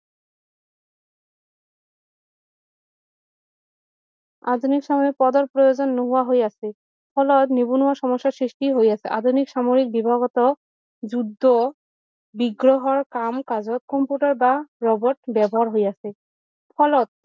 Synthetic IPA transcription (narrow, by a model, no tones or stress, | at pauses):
a̰d̪ʱunikʃamoɾik̚pɔd̪ɔɾpɾojod͡ʑonːuɦuaɦojasʰe | pʰɔlɔt̪nibunuaʃɔmɔʃːasɾiʃʈiɦojasʰɛʔad̪ʱunikʃamoɾik̚bibʱaɡɔt̪ɔ | d͡ʑud̪ʱːo | biɡɾoɦɔɾkamkad͡ʑɔt̪̚kɔmpjuʈaɾbaɹɔbɔʈ̚bɛbɔɦaɾɦojasʰe | pʰɔlɔt̪̚